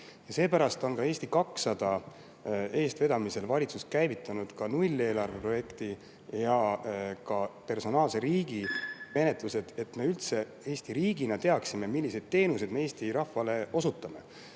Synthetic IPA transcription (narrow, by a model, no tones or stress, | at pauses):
jɑse̞ːpæɾɑst̪o̞nkɑeːsʲt̪ikɑksɑd̪̥ɑ | e̞ːst̪ve̞d̪ɑmise̞lvɑlʲit̪suskæjvit̪ˑːɑnud̪̥kɑnulʲːe̞ːlɑrve̞pro̞je̞kt̪i | jɑkɑpe̞rso̞nɑːlse̞ɾiːɡ̥ime̞ne̞t̪luse̞d̪̥e̞t̪me̞ylt̪se̞ | e̞ːst̪iɾiːɡ̥inɑt̪e̞ɑksime̞milʲːised̪̥̚t̪e̞ːnuse̞d̪̥̚me̞e̞ːst̪iɾɑhvɑle̞o̞sut̪ːˑɑme̞̰